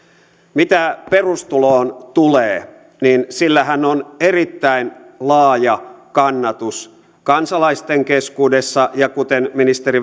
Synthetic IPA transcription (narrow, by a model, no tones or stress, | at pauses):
mit̪æperust̪uloːnt̪uleː | ninsilːæhænːonerit̪ːæinlɑːjɑkɑnːɑt̪us | kɑnsɑlɑist̪eŋkeskuːdesːɑjɑkut̪enminist̪eri